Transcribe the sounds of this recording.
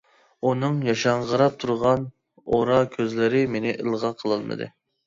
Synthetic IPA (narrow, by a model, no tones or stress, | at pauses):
unɨŋjɑʃɑɴʁəɾɑp̚t̪ʰuɾʁɑn | oɾɑkʲʰøzlɪɾɪmenɪʔɨlˠʁɑqʰəlˠɨlˠmɨ̰d̪ɨ̰